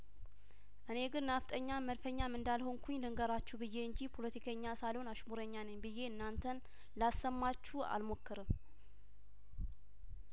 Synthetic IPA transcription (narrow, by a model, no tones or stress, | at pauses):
ʔɨne̞ɡɨnːaft̪ʼəɲːaməɾfəɲːamɨnd̪alho̞ŋkʰuɲlɨŋɡəɾat͡ʃːubɨjːe̞ɨɲd͡ʒipʰo̞lət̪ʰikʰəɲːasalhonaʃmuɾəɲːanəɲbɨjːe̞ɨnːant̪ʰən | lasəmːat͡ʃːua̰lmo̞kːɨɾɨm